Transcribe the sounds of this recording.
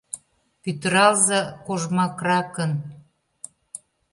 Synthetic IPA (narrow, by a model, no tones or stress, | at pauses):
pyt̪əɾɑlzɑkoʒmɑkrɑkən